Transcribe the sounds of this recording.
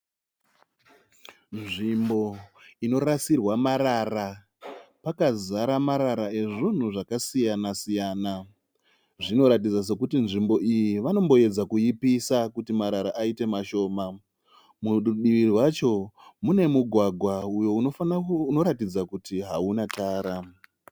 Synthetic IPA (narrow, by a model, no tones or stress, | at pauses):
nʐimbo̞ino̞ɾasirwamaɾaːra | pakazaɾamaɾaɾae̞ʐin̤uʐakasijanasijaːna | ʐino̞ɾat̬id͡zas̬e̞kutinʐimbo̞ʔijiʋano̞mbo̞e̞d͡zakujipisakutimaɾaɾaʔaite̞maʃo̞ːma | muɗuɗiʋiriwat͡ʃo̞mune̞muɡʱwaɡʱwaujo̞uofauno̞ɾatid͡zakutiɦaunataːɾa